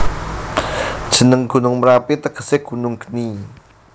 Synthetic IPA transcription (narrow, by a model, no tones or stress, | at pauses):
d̥ʒ̥ə̤nəŋɡ̥ṳnʊŋmɾapit̪əɡ̥ə̤̥seɡ̥ṳnʊŋɡ̥ə̥ni